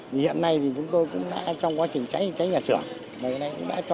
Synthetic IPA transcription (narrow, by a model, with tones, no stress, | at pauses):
i˨˩hḭ˧˨ənːa˧jt̪ʰi˨˩t͡ɕʊ˨˦ŋ͡mt̪o˧jkʊ̰˧˥ŋ͡mɗa̰ː˧˥t͡ɕɔ˧wŋ͡mkwaː˨˦t͡ɕï˨˩ŋ̟t͡ɕa˨˦jt͡ɕa˨˦jɲaː˨˩sɨ˧˩əŋ | maː˨˩˨na˧jkʊ̰˧˥ŋ͡mɗa̰ː˧˥t͡ɕ